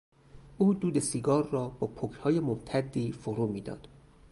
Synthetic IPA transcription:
ʔuːd̪uːd̪esiɡɒːrːɒːb̥ɒːpʰokʰhɒːjemomt̪ʰæd̪ːiːfoɾuːmiːd̪ɒ̰ːd̪̥

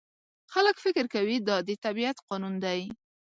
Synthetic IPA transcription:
xaləkfɪkɪɾkawid̪ɑd̪ət̪abiat̪qɑnund̪aj

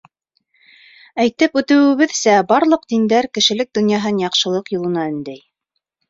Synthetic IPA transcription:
æjt̪ɘpʉt̪ɘ̆wɘ̆βɘðsæbɑɾlˠɤqd̪ind̪æɾkɘ̆ʃɘ̆lɘk̚d̪ŏnjɑɦɤnjɑqʃɤ̆lˠɤqjulˠɤ̆nɑɘ̆nd̪æj

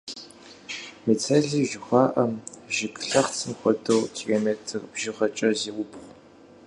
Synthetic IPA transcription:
mit͡sʰɐɮiːʒɪxʷɑːʔɐmʒɪkɬɐχt͡sʰɨmxʷɔdowkʰiloːmeːtʰɨrbʒɪʁɐt͡ʃʼɐzeːwʊbχʷ

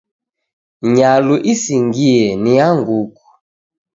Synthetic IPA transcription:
ɲaluʔisiŋɡiɛniaŋɡuku̥

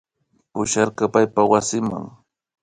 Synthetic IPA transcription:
pʊʃaɾkɑpajpawasɪma̰ŋ

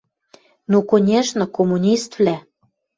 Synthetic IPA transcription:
nukonʲeʃnɤ̆komunʲist̪vlæ

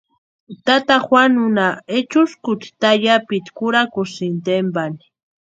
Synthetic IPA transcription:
t̪at̪axwanʊnaet͡ʃʊskʊt̪t̪aʎapit̪kʊɾakʊsint̪embani̥

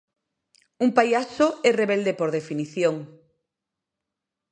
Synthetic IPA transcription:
umpajasoɛreβeld̪epoɾðefiniθjoŋ

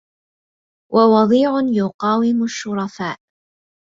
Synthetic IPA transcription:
wʔawɑd̪ˤiːʕʊnjʊqɑːwɪmʊʃːʊɾˤɑfaːʔ

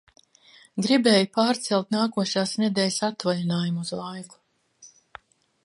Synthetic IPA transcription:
ɡɾibɛːjupaːɾt̪sɛlˠt̪naːkuɔʃaːsnʲɛd̪ɛːlsat̪valanaːjumuzlˠajku̥

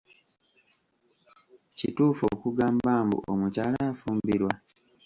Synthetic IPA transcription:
cituːfo̰kuɡaːmbaːmbṵʔomucaːlaːfuːmbiɾwa

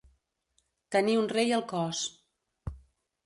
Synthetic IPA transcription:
t̪əniunrejəlˠkɔs

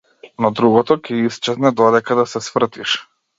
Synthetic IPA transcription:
nɔd̪ɾuɡɔt̪ɔkʲɛist͡ʃɛznɛd̪ɔd̪ɛkad̪asɛsvr̩t̪iʃ

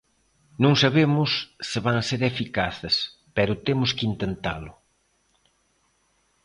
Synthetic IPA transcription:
nõŋsaβemʊsːɪβaŋaseɾefikaθɪs | pɛɾʊt̪emʊskint̪ent̪a̰lʊ

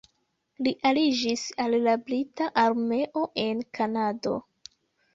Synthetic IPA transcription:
liʔalid͡ʒisalːablitaʔaɾme̞ʔo̞ʔe̞nkʰanado̞̰

